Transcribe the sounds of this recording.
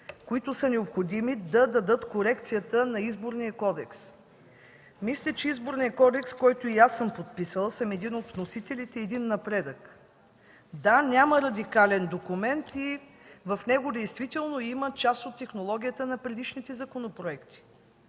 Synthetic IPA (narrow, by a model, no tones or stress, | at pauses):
koit̪ʊsənɛopxod̪imid̪ɐd̪ɐd̪ɤt̪koɾɛkt̪sijət̪ənɐizboɾnijəkɔd̪ɛks | mislʲət͡ʃɛizboɾnijəkɔd̪ɛkskɔjt̪ʊiasəmpot̪̚pisəlˠsəmɛd̪inot̪vnosit̪ɛlʲit̪ɛːd̪inːɐpɾɛd̪ək | d̪anʲaməɾɐd̪ikalɛnd̪okumɛnt̪ivɐfnɛɡʊd̪ɛjst̪vit̪ɛlˠnoimət͡ʃast̪ot̪ːɛxnolˠɔɡʲijət̪ənɐpɾɛd̪iʃnit̪ɛzɐkonopɾoɛkt̪i̥